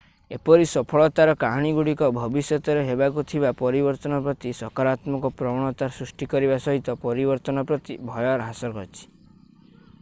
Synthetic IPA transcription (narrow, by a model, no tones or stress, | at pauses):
epɔɾisɔpʰɔɭɔt̪aɾɔkaɦɽ̃iɡuɽikɔbʱɔbisjɔt̪ɔɾeɦebakut̪ʰibapɔɾibɔɾt̪ɔnɔpɾɔt̪isɔkaɾat̪mɔkɔpɾɔɽ̃ɔt̪aɾsɾusʈikɔɾibasɔɦit̪ɔpɔɾibɔɾt̪ɔnɔpɾɔt̪ibʱɔjɔɾɦasɔɾɡʱɔt͡ʃʰi̥